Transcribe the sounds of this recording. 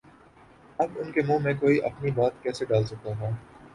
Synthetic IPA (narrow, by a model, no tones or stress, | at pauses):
ɐbʊnkemũːmẽkoːiʔɐ̰pnibaːt̪̚kɛːseɖaːlsɐkaɦɛː